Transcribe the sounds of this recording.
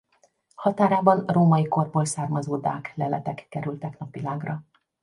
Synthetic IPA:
hɒt̪aːɾaːbɒnroːmɒjiko̞rboːlsaːrmɒzoːd̪a̰ːklɛlɛt̪ɛkːɛɾylt̪ɛknɒpʋilaːɡrɒ

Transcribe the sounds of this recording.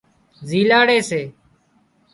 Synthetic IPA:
ziːlaːɽeːseː

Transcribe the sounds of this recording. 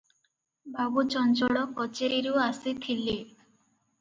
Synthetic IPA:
bʱabut͡ʃɔnt͡ʃɔɽɔkɔt͡ʃeɾiɾuasit̪ʰile

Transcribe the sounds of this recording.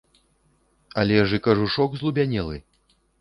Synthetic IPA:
ɐlʲɛʐɨkaʐuʂɔkzlˠubʲanʲɛlˠɨ̰

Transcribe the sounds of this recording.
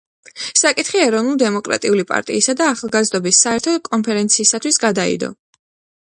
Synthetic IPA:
sakʼit̪ʰχiɛɾɔvnulˠd̪ɛmɔkʼɾa̰t̪ʼiulipʼa̰ɾt̪ʼḭːsad̪aːχalˠɡazd̪ɔbisːaɛɾt̪ʰɔd̪kʼɔmpʰɛɾɛnt̪sʰiːsat̪ʰwisɡad̪aḭd̪ɔ̰

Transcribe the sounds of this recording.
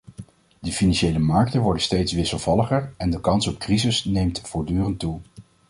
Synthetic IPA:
dəfinɑnʃejləmɑɹk̚tənʋɔɹdənstejtsʋɪsəlˠvɑləχəɹɛndəkɑnsɔp̚krizɪsnejmtfʊːɹdyːrəntːu

